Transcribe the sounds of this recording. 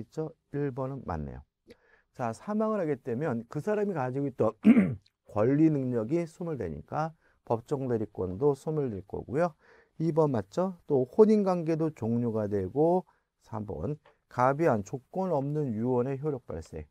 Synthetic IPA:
t͡ɕ͈ʌ | iɭbʌnɯnma̰nːḛjo̰ | t͡ɕasʰamaŋɯɾɦaɡet͈e̞mjʌnkɯsʰaɾamikad͡ʑiɡoit͈ʌn | kwʌʎːinɯŋɲʌɡisʰumɯɭdwe̞̰ɲḭk͈a | pʌp̚t͡ɕ͈ʌŋdwe̞ɾik͈wʌndosʰumɯɭdweɭk͈ʌ̰ɡujo | ibʌnmat̚t͡ɕ͈ʌt͈oɸoɲinɡwaŋɡe̞dot͡ɕoŋɲoɡadwe̞ɡo | sʰa̰bʌ̰n | kabiɦant͡ɕok͈wʌnʌmnɯnjuwʌne̞çjoɾjok̚p͈a̰ɭs͈e̞̰

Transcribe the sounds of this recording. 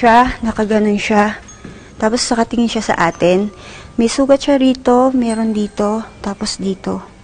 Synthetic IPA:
ʃanɐkɐɡɐno̞nʃa | t̪aːposnɐkɐt̪ɪŋɪnʃasɐ̰ʔaːt̪ɪnmɐjsuːɡɐt̪ʃaɾiːt̪o̞mɛːɾond̪iːt̪o̞t̪aːposd̪iːt̪o̞

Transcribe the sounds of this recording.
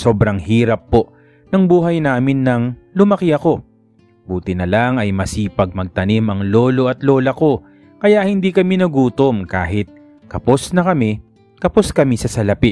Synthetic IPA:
so̞ːbɾɐŋhiːɾɐpːo̞ʔ | nɐŋbuːɦɐjnaːmɪnːɐŋlʊmɐkɪɐko̞ | buːt̪ɪnɐlaŋɐjmɐsiːpɐɡ̚mɐɡ̚t̪ɐnimɐŋlo̞ːlo̞ʔɐt̪lo̞ːlɐko̞ | kɐjaʔhɪnd̪iːkɐminɐɡuːt̪o̞mkaːɦɪt̪̚ | kɐpo̞snɐkɐmɪ | kɐpo̞skɐmisɐsɐlɐpɪ

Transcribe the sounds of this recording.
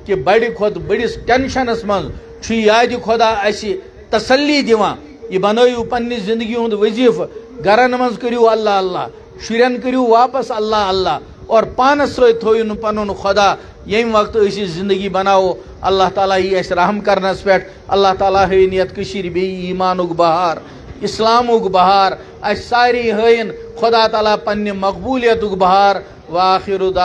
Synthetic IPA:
kibɐɽikʰoːt̪bəɽisʈʲenʃɐnɐsmɐ̃nz | t͡ʃʰuiaːd̪ikʰod̪aːɐsi | t̪ɐsɐlːid̪iʋãː | jibɐnoːjuːpɐnːizĩnd̪əɡiũnd̪ʋəziːfɡɐɾɐnmɐ̃nzkəɾijoɐlːaːɐlːa̰ː | ʃuɾʲɐnkəɾijuːʋaːpɐsɐlːaːɐlːaː | ɔːɾpaːnɐsɾoːit̪ʰoːjunpɐnonxʰod̪aː | jɐĩʋɐk̚t̪əʃizĩnd̪əɡiːbɐnaːo | ɐ̰lːaːɦt̪aːlaːjiɐsɾɐɦmkɐɾnɐspeʈʰ | ɐ̰lːaːht̪aːlaːɦəːinjɐt̪kɨʃiɾbiiːmaːnuɡbɐɦaːɾ | islaːmuɡbɐɦaːɾ | ɐssaːɾĩːɦəːjinxʊd̪aːt̪aːlaːpɐnːɐmɐkbuːlijɐt̪ukbɐɦaːɾ | ʋːxiɾud̪aː

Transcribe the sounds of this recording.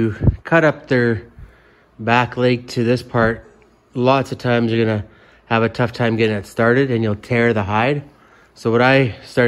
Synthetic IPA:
kʰʌɾʌp̚ðə˞ | bækleɪk̚tʰɨðɪspʰɑɹt̚ | lɔtsʌv̥tʰãɪ̃mzjə˞ɡʌnɨ | əvɨtʰʌftʰãɪ̃mɡɛɾɪ̃ŋðɨtstɑɹɾɨɾɨ̃njɨl̩ˠtʰɛɹðəɦaɪd̥̚ | soʊwʌ̃ɾaɪstɑ

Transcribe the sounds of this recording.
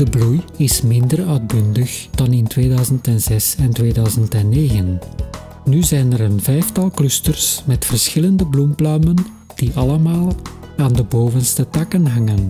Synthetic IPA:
d̥əblujɪsmɪndərœːd̚bʏndəxd̥ɑnɪntweːdœɥzəntɛnz̥ɛsɛntʋeːdœɥzəntɛnːeːɣən | nyzɛjnəɾənvɛjftɑlˠklɵstərsmɛtfərsxɪləndəblumplœːmən | d̥iʔɑləmaːlˠ | aːndəboːvənstətɑkənɦɑŋən

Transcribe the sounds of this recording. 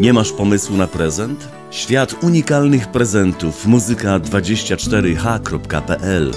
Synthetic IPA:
ɲɛmaʂpɔmɘswunapɾɛzɛnt̪ | ɕfʲjat̪uɲikalnɘxpɾɛzɛnt̪ufmuzɘkad̪vad͡ʑeɕt͡ɕat͡ʂt̪ɛɾɘxakɾɔpkapɛʔɛl

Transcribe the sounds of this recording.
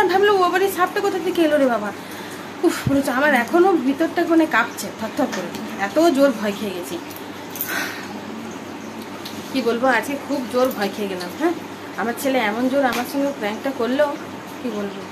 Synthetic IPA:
d̪ʱablooabaɾiʃap̚ʈakɔt̪ʰat̪ʰekeeloɾebaba | ufuɾot͡ɕoamaɾɛkʰonobʱit̪oɾʈakonekap̚t͡ɕʰet̪ʰɔt̪ʰːakoɾe | ɛt̪od͡ʑoɾbʱɔekʰeeɡet͡ɕʰi | kibolboad͡ʑkekʰubd͡ʑoɾbʱɔekʰeeɡɛlamɦɛ̃ː | amaɾt͡ɕʰeleɛmond͡ʑoɾamaɾʃɔŋɡefɾɛŋk̚ʈakoɾlo | kibolbo

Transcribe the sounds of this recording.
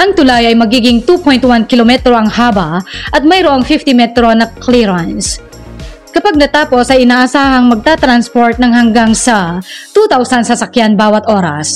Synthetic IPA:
ʔɐŋt̪ʊlajɐjmɐɡiːɡɪŋt̪upojnt̪wankɪlomɛt̪ɾo̞ʔɐŋhaːbɐʔɐt̪̚mɐjɾoʔoŋfɪft̪ɪmɛt̪ɾo̞nɐkliɾans | kɐpaɡ̚nɐt̪aːpo̞sɐjʔɪnaːʔɐsaːhɐŋmɐɡ̚t̪at̪ɾanspoɹt̪̚nɐŋɦɐŋɡaŋsɐt̪uːt̪awsɐnsɐsɐkjanbaːwɐt̪ʔo̞ːɾɐ̰s

